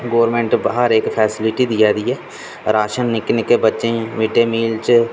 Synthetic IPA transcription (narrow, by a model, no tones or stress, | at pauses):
ɡoːəɾmẽɳʈbaɦəɾeːkpʰɛːsɪlɪʈid̪ijaːd̪iːɛː | ɾaːʃənːɪknekebətːʃẽʋɪʈeːmiːlt͡ʃ